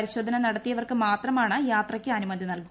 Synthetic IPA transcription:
ɾiɕo̞ːd̪ʱɐnɐnɐɽɐt̪ːijɐʋɐrkɨmaːt̪rɐmaːɳɨjaːt̪rɐkʲːɨɐnumɐd̪ʱinɐlku

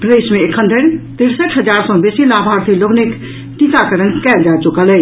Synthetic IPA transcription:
pɾəd̪esmeekʰənd̪ʱəɾt̪iɾsəʈɦəd͡ʒaɾsə̃besilabʱaɾt̪ʰiloɡnik | ʈikakəɾənkɛld͡ʒat͡ʃukələ

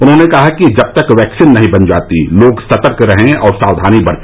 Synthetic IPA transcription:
ʊnɦõːnekɐɦakid͡ʒɐb̚t̪ɐkʋɛːksɪnːɐɦĩbɐnd͡ʒa̰ːt̪ḭloːɡsʰɐt̪əɾkɾɐɦẽɔːɾsaːwd̪ʱaːnibɐɽt̪

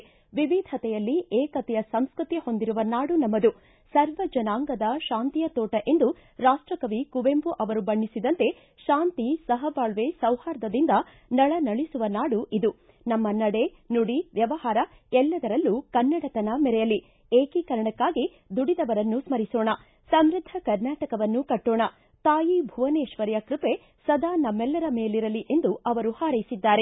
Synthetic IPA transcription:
ʋiʋid̪ʱɐt̪ɛjɐlːieːkɐt̪ɛjɐsɐmskɾut̪iho̞nd̪iɾuʋɐnaːɽunɐmːɐd̪u | sɐɾʋɐd͡ʒɐnaːŋɡɐd̪ɐʃaːnt̪ijɐt̪oːʈɐʔe̞nd̪u | ɾaːʂʈɾɐkɐʋikuʋempuʔɐʋɐɾubɐɳːisid̪ɐnt̪e̞ | ʃaːnt̪isɐɦɐbaːɭʋesɐwhaːɾd̪ɐd̪ind̪ɐ | nɐɭɐnɐɭisuʋɐnaːɽuʔid̪u | nɐmːɐnɐɽe̞ | nuɽiʋjɐʋɐhaːɾɐ | ɛlːɐd̪ɐɾɐlːukɐnːɐɽɐt̪ɐnɐmɛɾɛjɐli | eːkikɐɾɐɳɐkːaːɡi | d̪uɽid̪ɐʋɐɾɐnːusmɐɾisoːɳɐ | sɐmɾid̪ʱɐkɐɾnaːʈɐkɐʋɐnːukɐʈːoːɳɐ | t̪aːjibʱuʋɐneːʃʋɐɾjɐkɾipe̞ | sɐd̪aːnɐmːɛlːɐɾɐme̞ːliɾɐliʔe̞nd̪uɐʋɐɾuhaːɾɐjisid̪ːaːɾe

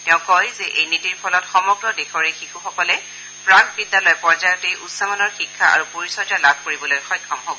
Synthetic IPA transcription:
tɛʊ̃kɔjzɛʔejnitiɹpʰɔlɔtxɔmɔɡɹɔdexɔɹexixuxɔkɔlɛ | pɹakbidːalɔjpɔɹzajɔtejʔusamanɔɹxikʰːaa̰ɹupoɹisɔɹtalabʱkoɹibɔlojxɔjkʰːɔmɦobɔ

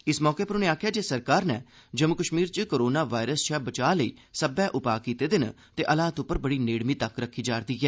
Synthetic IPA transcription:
ɪsmɔːkeːpəɾʊneːaːkʰjaːd͡ʒeːsəɾkaːɾnɛː | d͡ʒəmʊkəʃmiːɾt͡ʃkoːɾoːnaːʋaːɾəst͡ʃʰɛːbət͡ʃaːləḭːsəbɛːʔʊpaːkiːt̪eːd̪ɪn | t̪eːʔəlaːt̪ʊpːəɾbəɽiːneːɽmiːt̪əkɾəkʰːiːd͡ʒaːɾd̪iːɡɛː

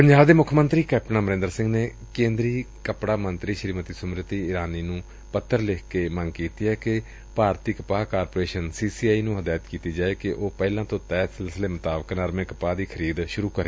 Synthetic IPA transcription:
pəɲd͡ʒaːbd̪eːmʊkʰːmənt̪ɾiːkɛːp̚ʈənãːməɾẽnd̪əɾsɪ̃ŋɡneː | kẽːnd̪ɾiː | kəpɽaːmənt̪ɾiːʃɾiːmət̪iːsʊmɾət̪iːɪɾaːniːnũː | pət̪ʰːəɾlɪkʰkeːməŋɡkiːt̪iːɦɛːkɪ | paːɾt̪iːkəpaːkaːɾpoːɾeːʃənsiːsiːaːiːnũːɦəd̪aːjət̪kiːt̪iːd͡ʒaːeːkɪʔoːpɛːlãːt̪õːt̪ɛːsɪlsɪleːmʊt̪aːbəknəɾmẽːkəpaːd̪iːkʰəɾiːd̪ʃʊɾuːkəɾeː

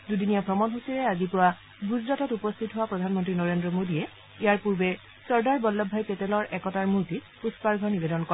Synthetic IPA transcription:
dudinijapʰɹɔmɔnɦusiɹɛazipʊwa | ɡuzdɔtɔtupɔst̪ʰitɦʊwapɹɔdʱanmɔntɹinɔɹendɹɔmodijɛ | ijaɹpuɹbɛ | sɔɹdaɹbɔlːɔbʱːajpetelɔɹʔɛkɔtaɹmuɹti | puspaɹɡʱɔnibedɔnkɔ

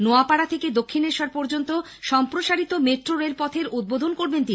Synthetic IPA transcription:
noapaɽat̪ʰeked̪okʰːineɾʃaɾpɔɾd͡ʑont̪o | ʃɔmpɾoʃaɽit̪omeʈɾoɾelpɔt̪ʰeɾud̪̚bod̪ʱonkoɾbent̪ini

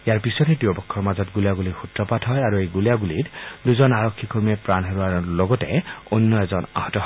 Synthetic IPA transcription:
ijaɹpisɔtɛtiobɔkʰːɔɹmazɔtɡulijaɡulixutɹɔpatʰɔjaɹuejɡulijaɡulitduzɔnaɹɔkʰːikuɹmiɛpɹanɦeɹuaɹloɡɔtɛ̰onːɔɛzɔna̰hɔtɔ

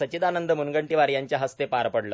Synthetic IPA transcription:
ət͡ɕid̪anənd̪əmunɡəɳʈiʋaɾjaɲt͡ɕjaɦəst̪epaɾpəɽla

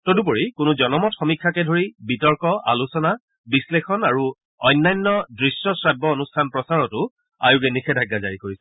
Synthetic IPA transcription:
todup̬oɹikʊnuzɔnɔmɔtxɔmikʰːakɛdʱoɹibitɔɹkɔa̰lusɔna | bislexɔnaɹu | ɔjnːajnːɔdɹisːɔsɹajbːɔonustʰanpɹɔsaɹɔtʊ | a̰jukɛnixʰɛdʱaɡːazaɹikoɹisɛ̥

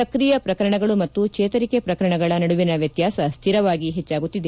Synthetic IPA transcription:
ɐkɾijɐpɾɐkɐɾɐɳɐɡɐɭumɐt̪ːukt͡ʃeːt̪ɐɾikepɾɐkɐɾɐɳɐɡɐɭɐnɐɽuʋinɐʋjɐt̪jaːsɐst̪ʰiɾɐʋaːɡiɦet͡ʃːaːɡut̪ːid̪e

